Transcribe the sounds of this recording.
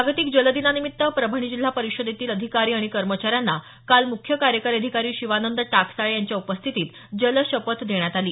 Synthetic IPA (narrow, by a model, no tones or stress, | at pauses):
aɡt̪iːk̚d͡ʑələd̪inanimit̪ːəpɾəbʱəɳ̃id͡ʑil̤apəɾiɕəd̪et̪iːləd̪ʱikaɾiːaɽ̃ikəɾmət͡ɕaɾjanːa | kalmukʰːjəkaɾjəkəɾəd̪ʱikaɾiːɕiʋanənd̪əʈaksaɭejaɲt͡ɕjaupəst̪ʰit̪iːt̪ | d͡ʑəlɕəpət̪d̪eɳjat̪aliː